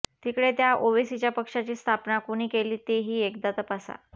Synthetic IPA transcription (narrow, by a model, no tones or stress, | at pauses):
t̪iːkɽet̪jaʔoʋisit͡ɕjapəkʂat͡ɕiːst̪ʰapnakuñiːkeliːt̪eɦiːekd̪at̪əpasa̰